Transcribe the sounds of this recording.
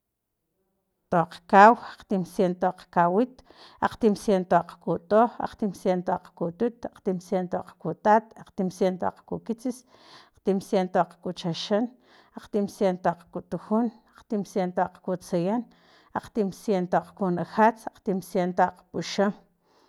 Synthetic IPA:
t̪oqkawaqt̪imsjent̪oq͡χkawit̪ | a̰q͡χt̪imsjent̪oqkut̪ʼoːxa̰q͡χt̪imsjent̪oq͡χkut̪ut̪aq͡χt̪imsjent̪oq͡χkut̪aːt̪aqt̪imsjent̪o̰qkukit͡sis | aq͡χt̪imsjent̪oq͡χkut͡ʃaʃan | aq͡χt̪imsjent̪oq͡χkut̪uxunaq͡χt̪imsjent̪oq͡χkut͡sajan | aq͡χt̪imsjent̪oq͡χkunaxat͡saq͡χt̪imsjent̪oaqpuʃam

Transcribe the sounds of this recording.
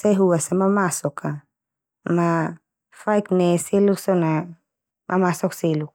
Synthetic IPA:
sajɦuwasamamasɔkʰa | ma | fajknɛselusɔna | mʔamasɔkselu

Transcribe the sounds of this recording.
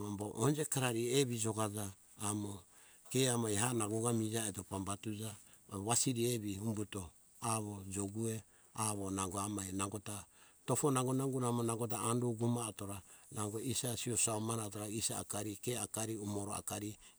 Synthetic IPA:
amboʔond͡ʒe̞kaɾaɾieβid͡ʒo̞ɡad͡ʒaː | mo | ke̞amajɦanaɡoɡamid͡ʒaeto̞pambatud͡ʒa | βasiɾieβiumbuto̞ | aβo̞d͡ʒoɡue̞ | aβo̞naŋɡoamajnaŋɡo̞ta | to̞fo̞naŋɡonaŋɡuɾamonaŋɡo̞t̬aanduɡumato̞ɾanaŋɡoisasiosaomanatoɾaisa̰ːkaɾikeakaɾiumo̞ɾoa̰kaɾi

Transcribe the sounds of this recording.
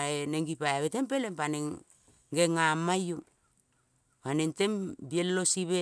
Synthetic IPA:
eneŋɡipajaβete̞mpe̞lempaneŋ | ɡeŋamajuŋ | panente̞mbielːo̞siβe

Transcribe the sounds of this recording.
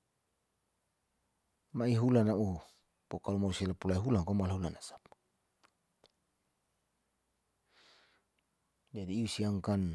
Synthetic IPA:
maiɦulanaʔu | pokalumausilapulaiɦulaŋkomalaɦulanasḁp̚ | d͡ʒadiːusiaŋkan

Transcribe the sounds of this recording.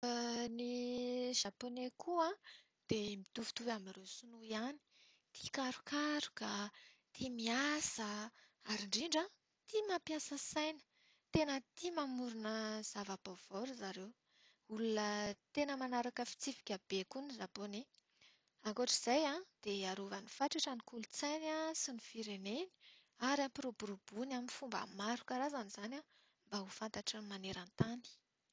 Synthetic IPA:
niʒ̥aponekʰuã | d̪̥emit̪uvu̥t̪uamiresunuiani̥ | t̪i̥kaɾukʰaɾu̥kət̪ʰimiasə | aɾiɳɖ͡ʐiɳɖ͡ʐa | t̪imapjasəsajnə̥ | t̪enət̪imamuɾunəz̥avəpov̥ɔɾzaɾew | ulunət̪enəmanaɾakəfi̥t͡sifi̥kʲab̥ekunizabone | aŋkoʈ͡ʂiz̥ajãd̪̥eaɾuvanifaʈ͡ʂaʈ͡ʂanikulut͡sajnasinifiɾeneni̥ | aɾapiɾobuɾub̥unaminfumba̰maɾukaɾazaniz̥anʲa | mbaɦufant̪aʈ͡ʂəmaneɾant̪ani̥

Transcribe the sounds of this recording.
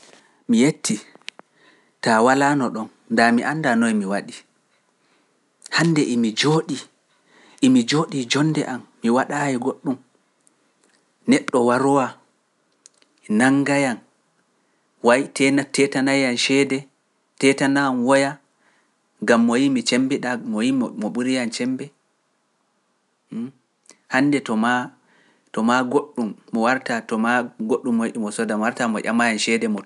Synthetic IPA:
mijetʰːi | tawalanɔɗɔn | ndamiʔandanɔjmiwaɗi | handɛʔimid͡ʒoːɗi | ʔimid͡ʒoːɗid͡ʒɔnːdɛʔamːiwaɗajɛɡoɗːum | nɛɗːɔwaɾɔwa | naŋɡajan | wajtʰɛnatɛtanajanʃɛdɛ | tɛtananwɔja | ɡamːɔjimit͡ʃɛmbiɗamɔjimmɔɓuɾijant͡ʃɛmbɛ | hanːdɛtɔma | tɔmaɡoɗːumːɔwaɾtatɔmaɡoɗːumːɔjiɗimɔsɔdamɔwaɾtamɔʔa̰majanʃɛdɛmɔ

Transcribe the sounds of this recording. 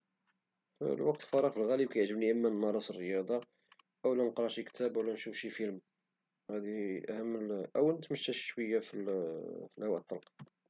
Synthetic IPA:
fə̰lwɑqt̪lfɑɾˤɑqfəlɣælikæjəʕʒəbniʔəmːænmɑɾˤɑsˤərːəjɑd̪ˤɑ | ʔəwlænqɾˤɑʃikt̪ʰæbəwlænʃufʃifilm | hæd̪iʔæ̰hmːəlʔəwnət̪məʃːæʃʃwəjːæfilfəlhæwæt̪ˤːɑlqɑ

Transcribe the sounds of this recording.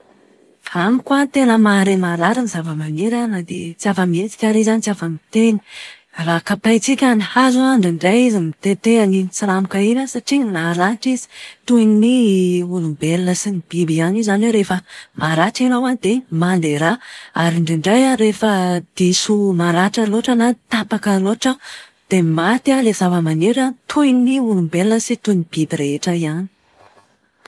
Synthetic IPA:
amikuat̪enəmaɾemaɾaɾinizavəmaneɾanad̪et͡siavəmiet̪i̥kʲaɾizanit͡siafəmit̪eni̥ | rakapajt͡sikʲanihazuɳɖ͡ʐiɳɖ͡ʐajizimit̪et̪eanint͡siɾamukaiɾasaʈ͡ʂiɲnaɾaʈ͡ʂizi̥t̪uininiulumbelnəsinib̥ibianizanweɾefəmaɾaʈ͡ʂinawanid̪̥emand̪eɾaaɾiɳɖ͡ʐiɳɖ͡ʐajaɾefəd̪̥isumaɾaʈ͡ʂəloʈ͡ʂənat̪apakəloʈ͡ʂə | d̪̥emat̪alezavəmaneɾat̪ʰuiniulumbeləsit̪unib̥ibireeʈ͡ʂəiani̥

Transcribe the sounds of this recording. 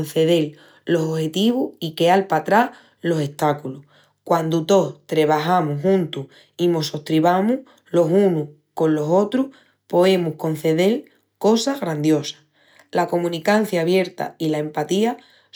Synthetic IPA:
n̟θe̞ð̞e̞l | lo̞sohe̞t̪iβuike̞alpat̪ɾah | lo̞se̞ht̪akulu | kwand̪ut̪o̞t̪ɾeβ̞aɦamuɦũnt̪u | imo̞so̞ht̪ɾiβamu | lo̞ɦunu | ko̞nlo̞so̞t̪ɾuh | po̞e̞muhko̞n̟θe̞ðe̞l | ko̞saɣɾand̪jo̞sḁ | lako̞mũnikan̟θjaːβje̞ɾt̪a̰ilaempat̪ia

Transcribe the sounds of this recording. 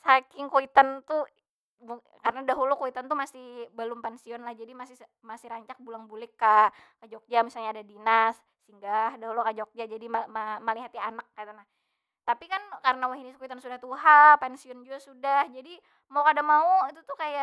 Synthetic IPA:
sakɪŋkoit̪ant̪u | kaɾənadaɦulukoit̪ant̪umasɪhbəlʊmpansiɔnlahd͡ʒadimasɪ | masɪɾaɲt͡ʃak̚bulaŋbulɪkːakad͡ʒɔk̚d͡ʒamisalɲaːdadinasːiŋɡahdaɦulukad͡ʒɔk̚d͡ʒad͡ʒadimamamaliɦat̪jaanakːait̪anah | t̪apikankaɾənawaɦinɪskoit̪ansudaht̪uɦapansiɔnd͡ʒuasudahd͡ʒadi | maukadamauit̪ut̪ʊkajaʔ

